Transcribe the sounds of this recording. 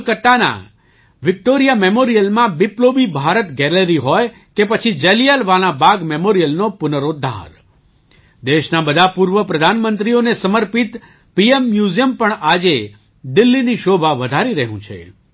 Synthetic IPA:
kəʈːana̰ | ʋɪk̚ʈoɾijamemoɾijəlmãbɪplobibʱaɾət̪ɡɛləɾiɦɔj | kepət͡ʃʰid͡ʒɛlijalʋalãbaɡmemoɾijəlnopʊnəɾod̪ʱːa̰ɾ | d̪eʃnabəd̪ʱapuɾʋəpɾəd̪ʱanmənt̪ɾionesəməɾpit̪ | piemːjuzijəmpəɳad͡ʒe | d̪ɪlːiniʃobʱaʋəd̪ʱaɾiɾəɦũt͡ʃʰḛ

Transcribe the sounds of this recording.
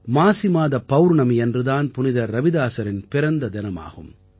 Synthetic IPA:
maːsɪmaːðɐpːɐwɾɳɐmɛndrɯðaːnpʊnɪðɐɾːɐʋɪðaːsɐɾɪnpɪɾɐnd̪ɐd̪ɪnɐma̰ːɣɯm

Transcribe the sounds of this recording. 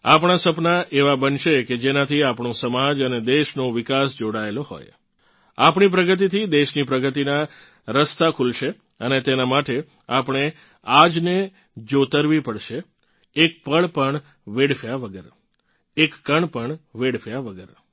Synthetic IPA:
apɳ̃asəpnaʔeʋabənʃeked͡ʒenat̪ʰiapɳ̃õsəmad͡ʒəned̪eʃnoʋɪkasd͡ʒoɽaeloɦo̰j | apɳ̃ip̬ɾəɡət̪̬it̪ʰid̪eʃnipɾəɡət̪ina | ɾəst̪akʰulʃe | ənet̪enamaʈe | apɳ̃e | ad͡ʒne | d͡ʒot̪əɾʋipəɽʃeː | k̚pəɭpəɳ | ʋeɽfjaʋəɡəɾ | ekːəɳpəɳʋeɽfjaʋəɡəɾ

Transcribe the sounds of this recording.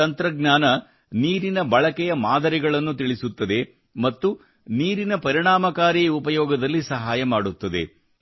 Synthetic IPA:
ɐnt̪ɾɐɡnaːnɐ | niːɾinɐbɐɭɐkɛjɐmaːd̪ɐɾiɡɐɭɐnːut̪iɭisut̪ːɐd̪e̞ | mɐt̪ːu | niːɾinɐpɐɾiɳaːmɐkaːɾiupɐjɔːɡɐd̪ɐlːisɐɦaːjɐmaːɽut̪ːɐd̪ḛ

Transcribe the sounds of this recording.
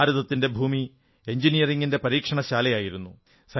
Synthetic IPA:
ɾuðɐt̪ːinde̞bʱuːmi | e̞ɲd͡ʑinijɐriŋːinde̞pɐɾiːkʂɐɳɐɕaːlɐjaːjiɾunːu | sɐ

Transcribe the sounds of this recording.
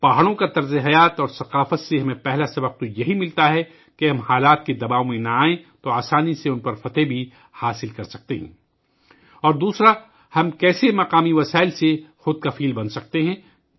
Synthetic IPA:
paɦaɽõkat̪ɐɾzeɦɐjaːt̪ɔːɾsɐqaːfət̪seɦɐmẽpɛɦlasɐbəq̚t̪ojɐɦimɪlt̪aɦɛ | keɦɐ̃mhaːlaːt̪̚ked̪ɐbaːõmẽnɐaːẽt̪oaːsaːniseʊnpɐɾfɐt̪ebʱi | haːsɪlkɐɾsɐk̚t̪eɦɛ̰̃ː | ɔːɾd̪uːsɾa | hɐmkɛːsemɐqaːmiʋɐsaːɪlsexʊd̪̚kɐfiːlbɐnsɐk̚t̪eɦɛ̃ː

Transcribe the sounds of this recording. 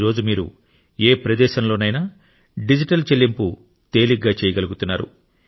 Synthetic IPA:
ɾo̞ːd͡ʒumiːɾṵ | eːpɾɐd̪ɛːʃɐmloːnɐjnaː | ɖid͡ʒiʈɐlt͡ʃelːimpu | t̪e̞ːliɡːaːt͡ʃɛːjɐɡɐluɡut̪unːaːɾṵ

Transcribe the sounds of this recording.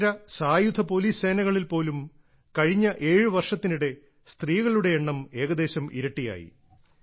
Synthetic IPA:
ɾɐsaːjud̪ʰʱɐpo̞ːliːsse̞ːnɐɣɐɭilpo̞ːlum | kɐɻiɲːɐʔe̞ːɻɨʋɐrʂɐt̪ːinuɽe̞ | st̪riːɣɐɭuɽe̞eɳːɐme̞ːɣɐd̪e̞ːɕɐmḭɾɐʈːija̰ːjḭ

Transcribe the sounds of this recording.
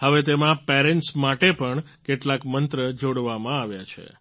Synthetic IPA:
həʋet̪emãpeɾɛɳʈsmaʈepəɳ | keʈlakmənt̪ɾəd͡ʒoɽʋamãaʋjat͡ʃʰḛ

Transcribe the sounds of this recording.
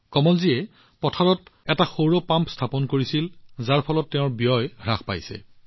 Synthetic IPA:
kɔmɔlzijɛ | pɔtʰaɹɔtɛtaxowɹɔpãmpstʰapɔnkoɹisilzaɹpʰɔlɔtːɛʊ̃ɹbijɔjɹaxpa̰jsɛ̰

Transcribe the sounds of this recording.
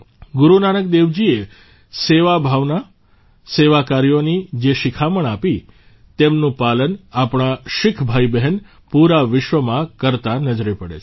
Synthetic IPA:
ɡʊɾunanək̚d̪eʋd͡ʒie | seʋabʱaʋna | seʋakaɾijonid͡ʒeʃɪkʰaməɳapi | t̪emnũpalənapɳ̃aʃɪkʰbʱaibɛɦɛn | puɾaʋɪʃʋəmãkəɾt̪anəd͡ʒɾepəɽḛt͡ʃʰ

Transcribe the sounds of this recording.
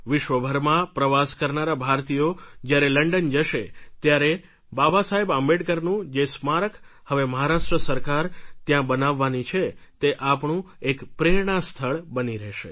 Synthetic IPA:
ʋɪʃʋəbʱəɾmãpɾəʋaskəɾnaɾabʱaɾt̪ijod͡ʒjaɾeləɳɖənd͡ʒəʃet̪jaɾe | babasaɦebambeʈ̚kəɾnũd͡ʒesmaɾək | həʋeməɦaɾaʃʈɾəsəɾkaɾt̪jãbənaʋːanit͡ʃʰet̪eʔapɳũekpɾeɾɳ̃ast̪ʰəɭbəniɾɛɦʃḛ

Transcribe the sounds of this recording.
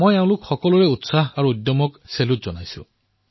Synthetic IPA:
mojeʊ̃lʊkxɔkɔlɔɹɛutsaɦaɹuudjɔmɔkselutzɔnajsʊ̰̃

